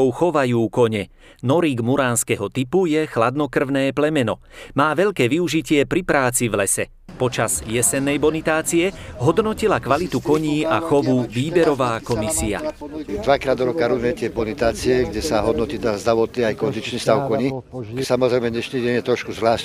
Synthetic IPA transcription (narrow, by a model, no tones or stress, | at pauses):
ɔʊxɔʋajuːkɔɲɛ | nɔɾiːɡmuɾaːnskɛɦɔt̪ipujɛxlad̪nɔkr̩ʊnɛːplɛmɛnɔ | maːʋɛʎkɛːʋiuʒicɪɛpɾipɾaːt͡sivlɛsɛ | pɔt͡ʃaz̥jɛsɛnːɛjbɔnit̪aːt͡siɛɦɔd̪nɔcilakʋalit̪ukɔɲiːʔaxɔʋuʋiːbɛɾɔʋaːkɔmisia̰d̪ʋakɾaːd̪ɔɾɔkaɾuzmɛt̪ɪɛbɔnit̪aːt͡siɛɡɟɛsaɦɔd̪nɔciːt̪azd̪ɾaʋɔt̪niːajkɔnd̪it͡ʃniːst̪aʊʊkɔɲisamɔzɾɛjmɛɲɛʃniːɟɛɲjɛt̪ɾɔʃkuzʋlaːʃ